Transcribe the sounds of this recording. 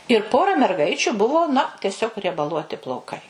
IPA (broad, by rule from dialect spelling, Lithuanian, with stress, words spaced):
ɪr ˈpoːrɐ mʲɛrˈɡɐɪt͡ʃʲʊ ˈbʊʋoː nɐ tʲɛˈsʲoːk rʲiɛbɐˈlˠuɔtʲɪ plˠɐʊˈkɐɪ